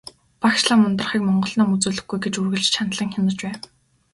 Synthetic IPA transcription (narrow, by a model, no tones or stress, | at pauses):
pakʃɮaːmʊnt̪ə̆rχiːkmɔɴɢɞ̆ɮnɔːmut͡suːɮɘ̆xɡujɡet͡ɕurɣɘ̆ɮt͡ɕt͡ɕʰant̪ɮə̆ŋxʲɪmə̆t͡ɕpæːn